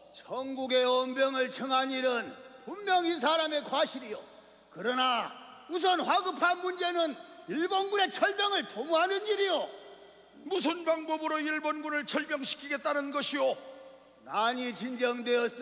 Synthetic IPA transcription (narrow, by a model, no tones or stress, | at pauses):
t͡ɕʌŋɡuɡe̞ʌmbjʌŋɯɭt͡ɕʰɯŋɦaɲiɾɯnpumːjʌŋinsʰaɾame̞kwaɕʰiɾijo | kɯɾʌna | us̬ʰʌnɸwaɡɯpʰanmund͡ʑe̞nɯniɭbonɡune̞t͡ɕʰʌɭbjʌŋɯɭtomuɦanɯniɾijo | mus̬ʰɯnbaŋbobɯɾoiɭbonɡunɯɭt͡ɕʰʌɭmjʌŋɕʰi̥kʰiɡe̞t͈anɯnɡʌɕʰijo | naɲit͡ɕind͡ʑʌŋdwe̞ʌs͈